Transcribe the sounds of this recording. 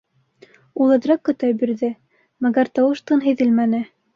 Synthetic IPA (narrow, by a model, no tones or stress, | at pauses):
ulˠɤ̆d̪ɾɑkːɵ̆t̪æjbiɾðɘ | mæɡæɾt̪ɑwɤ̆ʃt̪ɤnɦɘ̆jðɘlmænɘ